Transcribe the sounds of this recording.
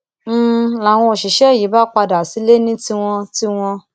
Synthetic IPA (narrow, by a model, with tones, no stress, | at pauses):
la˨w̃ɔ̃˧o˨ʃi˨ʃɛ˦˨ji˨˦ba˦k͡pa˧da˨si˨˦le˦nĩ˦ti˧w̃ɔ̃˧ti˦w̃ɔ̃˧